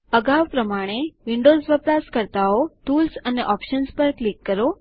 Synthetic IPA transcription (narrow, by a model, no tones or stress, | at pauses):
əɡaʋpɾəmaɽ̃eʋiɳɖozʋəpɾaskəɾt̪aoʈulsəneʔɔpʃənspəɾklikːəɾo